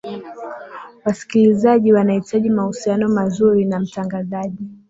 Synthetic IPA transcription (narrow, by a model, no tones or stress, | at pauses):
wasi̥kilizaʄiwanahitʰaʄimahusianɔmazuɾinam̩taŋɡazaʄi